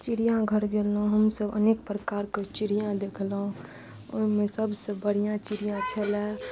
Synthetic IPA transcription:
t͡ʃiɾijãɡʱəɾɡelɦũɦəmsəbəneːk̚pɾəkaːɾket͡ʃɪɾijãd̪eːkʰlɦũ | ɔ̰ːɾmɛ̃səbsebəɽijãt͡ʃɪɾijãt͡ʃʰəlɛ

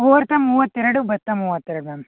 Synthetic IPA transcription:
oːɾt̪ɐmuːʋɐt̪ːeɾɐɽubɐt̪ːɐmuːʋɐt̪ːeɾɐɽumem

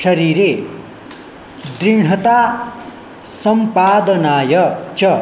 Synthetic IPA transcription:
ʃʌɾiɾe | d̪ɾiɳ̤ʌt̪a | sʌmpaːd̪ɐnaːjʌt͡ʃʌ

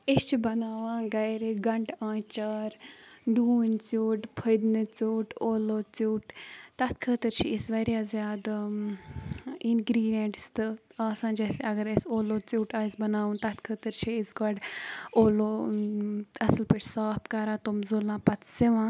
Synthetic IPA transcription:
ist͡ʃʰibɐnaːʋãːɡɐjɾiɡɐɳʈãːt͡ʃaːɾɖuːnt͡suːʈpʰəd̪nɨt͡suːʈoːloːt͡suːʈt̪ɐt̪kʰət̪əɾt͡ʃʰiisʋɐɾʲjaːzjaːd̪ | inɡɾiːɖjeɳʈst̪ɨaːsãːnd͡ʒɛːseɐɡəɾɐsoːloːt͡suːʈaːisbɐnaːʋũːnt̪ɐt̪kʰət̪əɾt͡ʃʰiisɡɐɖoːloː | ɐslpeʈʰsaːpkɐɾãːt̪omzulãːpɐt̪ʰseʋãː

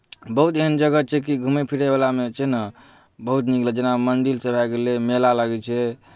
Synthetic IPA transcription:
bəɦut̪eɦənd͡ʒəɡət͡ʃʰɛkiɡʱumepʰiɽebalamet͡ʃʰɛnə | bəɦut̪niklɛd͡ʒenamənd̪ilsəbʱaɡelemelalaɡɛt͡ʃʰɛ

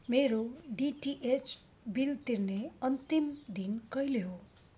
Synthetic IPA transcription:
meɾoɖiʈiʔet͡s | bilt̪irneʌnt̪imd̪inkʌjleɦo

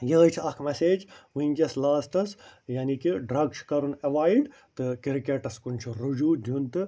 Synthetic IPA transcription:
jəːt͡ʃʰɐkʰmɛseːd͡ʒʋuiŋkʲɐslaːsʈ̪ɐsjaːnikiɖɾɐɡt͡ʃʰkɐɾunɐʋaːjɖ | t̪ɨkiɾkeʈɐskunʲt͡ʃʰuɾud͡ʒuːd̪ʱjunt̪ɨ

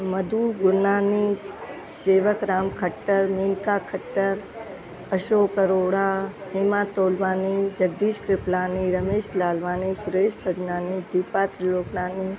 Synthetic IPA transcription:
mɐd̪ʱuːɡʊɾnaːni | seːʋəkɾaːmkʰɐʈːəɾmeːnkakʰɐʈːəɾ | ɐʃoːkəɾoːɽãːhɪmaːt̪oːlʋaːnid͡ʒɐɡ̚d̪iːʃkɾɪplaːniɾɐmeːʃlaːlʋaːniːsʊɾeːʃsʰɐd͡ʒnaːnid̪iːpaːt̪ɾɪloːknaːni

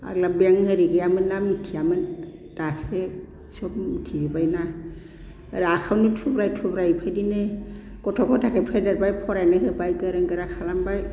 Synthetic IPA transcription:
a̰ɡlabaŋhɯɾiɡɯjamɯnːamitʰijamɯn | d̥ase | sɔp̚mitʰiɾibajna | ɾakʰawnɯtʰubɾajtʰubɾapʰajdinɯ | kɔtʰɔkʰɔtʰakʰajpʰajdaɾbajpʰɔɾajnɯɦɯbajɡɯɾɯŋɡɯɾakʰalambaj

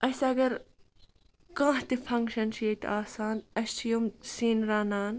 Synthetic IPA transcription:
ʔɐsɐɡɐɾ | kãːɦt̪ifʰɐŋkʃɐnsijet̪ʔaːsaːnɐst͡ʃʰijumsiːnɾaːnaːn

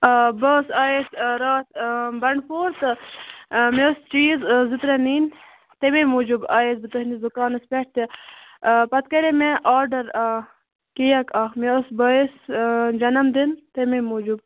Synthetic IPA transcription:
bɐːsaːesɾaːt̪bɐɳɖpoːɾt̪ɨ | meost͡ʃiːzzut̪ɾeniːn | t̪ememoːd͡ʒubaːjesbɨt̪ɐɦnizukaːnɐspʲeʈ̚ʰt̪e | pɐt̪kɐɾemeʔaːɾɖɐɾa | kijɐkaːmeosbɐesd͡ʒɐnɐmd̪int̪ememoːd͡ʒub

